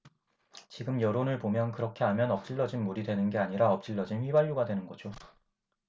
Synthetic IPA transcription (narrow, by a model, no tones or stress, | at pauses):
t͡ɕiɡɯmjʌɾonɯɭpomjʌnkɯɾʌkʰe̞ɦamjʌnʌp̚t͡ɕ͈iɭːʌd͡ʑinmuɾidwe̞nɯnɡe̞aɲiɾaʌp̚t͡ɕ͈iɭːʌd͡ʑinɸɥibaɭjuɡadwe̞nɯnɡʌd͡ʑo